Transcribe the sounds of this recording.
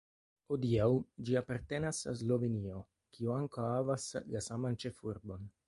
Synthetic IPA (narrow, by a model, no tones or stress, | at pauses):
hodiawd͡ʒiapaɾt̪e̞nasa̰zlo̞venio̞ | kʰiuaŋkawavaslasamant͡ʃe̞fuɾbo̞n